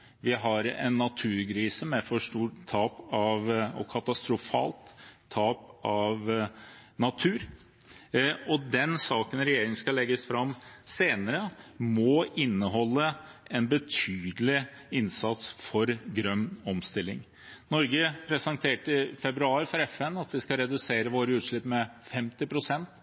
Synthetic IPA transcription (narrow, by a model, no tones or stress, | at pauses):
ʋɪɦɑɾɛ̰nːɑt̪ʰʉːɾɡɾiːsəmɛfɔʂʈuːʈt̪ʰːɑːpɑʋɔ̰kʰɑt̪ɑst̪ɾʊfɑ̰ːlt̪ʰː | ɑːpɑʋ | nɑt̪ʰʉːɾ | ɔd̪ɛnsɑːkənɾɛjeːɾɪŋən̩skɑlɛɡːəsfɾɑmseːnəɾəmɔɪnːəɦɔlːəʔɛnbət̪ʰyːd̪əlɪ | ɪnsɑt̪sfɔɾɡɾœmɔmst̪ɪlːɪŋ | nɔɾɡəpʰɾɛsənt̪ʰeːʈəəfɛbɾʉɑːɾfɔɾɛfɛnːɑt̪ʋɪskɑɾɛd̪ʉseːɾəʋoːɾəʉːt̪ʂɭɪpːmɛfɛmt̪ɪpʰɾʊsɛnt̪